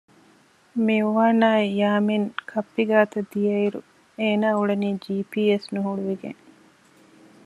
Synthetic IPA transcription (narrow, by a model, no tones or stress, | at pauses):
miuʋaːnaːjaːmeŋkʰɐpːiɡaːt̪ɐd̪ijɐiɾṵ | eːnaːuɭeniːd͡ʒiːpiːesnuɦuɽuʋiɡḛŋ